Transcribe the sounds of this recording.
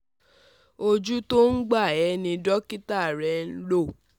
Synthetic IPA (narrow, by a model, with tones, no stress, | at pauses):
o˧d͡ʒu˦to˦n̩˦ɡ͡ba˦˨ɛ˨˦nĩ˧dɔ˦ki˦ta˦˨ɾɛ˧˦n̩˦lo˦˨